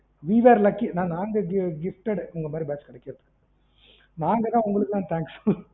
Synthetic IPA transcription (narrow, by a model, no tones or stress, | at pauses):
ʋiʋaːɾlɐkːinãːnaːŋɡɐɡɪfʈɛɽʊŋɡɐmaːd̪ɾibaːt͡ʃkɪɽɛkːɪɾɯpːkː | naːŋɡɐt̪ãːʊŋɡɐɭɯkːt̪ãːt̪ʰaːŋksɔl